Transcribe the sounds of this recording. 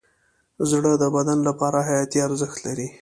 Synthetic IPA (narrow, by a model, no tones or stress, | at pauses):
zɽəd̪əbad̪anlapɑɾaɦajɑt̪iaɾzəxt̪laɾi